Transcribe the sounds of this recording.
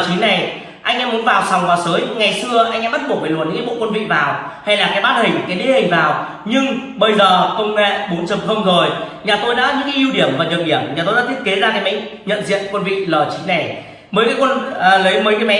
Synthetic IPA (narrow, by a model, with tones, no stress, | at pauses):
t͡ɕi˨˦na˨˩j | ʔa˧jŋ̟ʔɛː˧˥mu˨˦nvaː˨˩wsa˨˩wŋ͡mvaː˨˩səː˨˦jŋa˨˩jsɨ˧əʔa˧jŋ̟ʔɛ˧˥ɓə˦˥t̚ɓu˨˩k̚ɓə˧˩lu˨˩nɲɨ̰˧˥kːɓ̰o̰˧˨kwə˧nvḭ˧˨vaː˨˩wha˧jlaː˨˩kaː˨˦jɓaː˦˥t̚hï˨˩ŋ˨˩ka˨˦ɗe˨˦hï˨˩ŋ̟vaː˨˩w | ɲɨ˧ŋɓə˧jzəː˨˩kə˧wŋ͡mɛ̰˧˨ɓo˨˦nt͡ɕə˨˩m̚xə˧wŋ͡mzo˨˩jɲaː˨˩t̪o˧jɗa̰ː˧˥ɲɨ̰˧˥ŋkaː˨˦jʔi˧wɗi˧˩əmvaː˨˩ɲə˨˩ɗi˧˩əmɲaː˨˩o˧jɗaː˧˥t̪ʰi˥t̚ke˨˦zaː˧na˧jma̰˧˥ŋɲə̰˧˨nzḭ˧˨ənkwə˧nvḭ˧˨ləː˨˩t͡ɕi˨˦na˨˩j | məː˨˦jkaː˨˦jkwə˧n˧˨˩lə˨˦jməː˨˦jkaː˨˦jmɛ̰˧˥